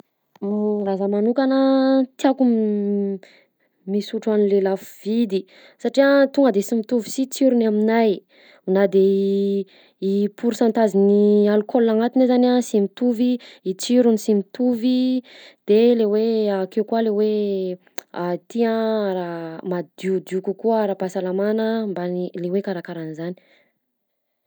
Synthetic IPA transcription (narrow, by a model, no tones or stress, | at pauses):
azəmanukanət̪iakum | misuʈ͡ʂuanilelafuv̥id̪i | saʈ͡ʂiat̪uŋɡəd̪esimit̪uvi̥sit͡siɾunaminaj | unad̪e | ipuɾusant̪azinialukʰolːaŋat̪inazanasimit̪uviːt͡siɾunisimit̪uvid̪̥eleweakewkualewe | at̪iãaɾamad̪ud̪ukukuəaɾapasalamanəmbanilewekaɾakaɾanzani̥